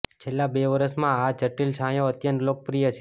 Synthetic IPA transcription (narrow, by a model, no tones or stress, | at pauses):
t͡ʃʰelːabeʋəɾəsmãad͡ʒəʈilʃʰãjõət̪jənt̪lok̚pɾijət͡ʃʰe